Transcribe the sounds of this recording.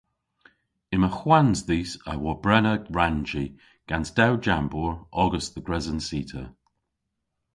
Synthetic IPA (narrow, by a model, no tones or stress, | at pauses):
ɪməxwanzðisəwɔbɹɛnəɹand͡ʒi | ɡ̥antd̥awd͡ʒambɔɹɔɡəsðəɡɹɛzənsiːtʰə